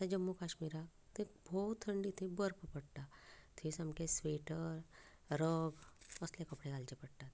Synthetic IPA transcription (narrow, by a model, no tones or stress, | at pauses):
t̪ed͡ʒɐmːukaːʃmiːɾat̪ʰĩbʱɔːt̪ʰːɐ̃ɳɖit̪ʰibəɾppɐɽt̪at̪ʰisɐmkesweːʈəɾ | ɾoːɡɐslekɐpɽekaːld͡ʒepɐɽt̪at̪